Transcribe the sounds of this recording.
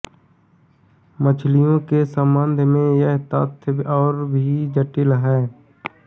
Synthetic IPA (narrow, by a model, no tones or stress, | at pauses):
mət͡ʃʰlɪjõkesəmbənd̪ʱmẽjəɦt̪ət̪ʰɔːɾbʱid͡ʒəʈɪlɦɛː